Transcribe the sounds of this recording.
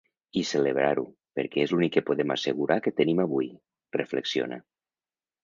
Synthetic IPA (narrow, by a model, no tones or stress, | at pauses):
iseleβ̞ɾaɾu | peɾkɛezlunikːepoðema̰seɣuɾʔaket̪ənimaβuj | rḛfleksio̰na̰